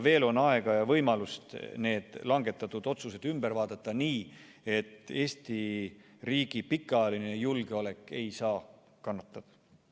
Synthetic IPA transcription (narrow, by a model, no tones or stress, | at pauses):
ve̞ːlo̞nɑe̞ɡ̥ɑjɑvɤ̞jmɑlust̪ne̞ːd̪̥lɑŋɡe̞t̪ːˑɑt̪ːˑud̪̥o̞t̪suse̞d̪̥ymb̥eɾvɑːd̪̥ɑt̪ˑːɑniː | e̞t̪ːˑe̞ːst̪i | riːɡ̥ipikːˑɑjɑline̞julɡ̥eole̞kːˑe̞jsɑː | kɑnːɑt̪ːˑɑd̪̥ɑ̥